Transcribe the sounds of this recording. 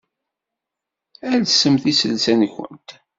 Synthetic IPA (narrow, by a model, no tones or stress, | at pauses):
ælsəmθisəlsænçʷə̰nt̪